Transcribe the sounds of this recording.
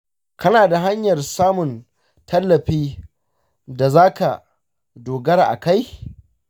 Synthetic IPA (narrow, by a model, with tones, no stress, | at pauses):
kʰɐ˦naː˨da˨ɦa˦ɲjɐ˨rsaː˦mʊ˨n | tʰɐ˦lːɐ˨ɸiː˦ | da˨zaː˦ka̰˨ | doː˨ɡɐ˦ɾa˨ʔa̰˨ka˦j